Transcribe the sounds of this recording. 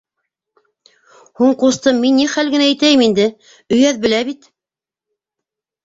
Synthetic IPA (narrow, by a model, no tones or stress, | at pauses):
huɴqust̪ɤmːinːiχælɡɘ̆næːjt̪æjɘmind̪ɘ | ɵ̆jæðbɘ̆læβit̪